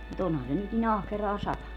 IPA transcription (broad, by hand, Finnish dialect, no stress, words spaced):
mut onhɑn se nyt nin ɑhkerɑː sɑtɑnu